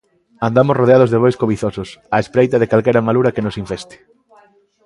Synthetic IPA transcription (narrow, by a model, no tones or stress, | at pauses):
and̪amosroðeað̞ʊzðeβojskoβiθosʊsaespɾejt̪ɐðekalkɛɾɐmaluɾɐkenosiɱfest̪ɪ̥